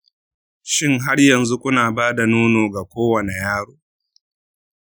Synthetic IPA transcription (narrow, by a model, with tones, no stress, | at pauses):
ʃɪ˦ŋɦa˦ɽjɐ˨nzu˦kʷʊ˦naː˨baː˦da˨nuː˦noː˨ɡa˨kʷoː˦wɐ˨ne˨jaː˦ɽoː˦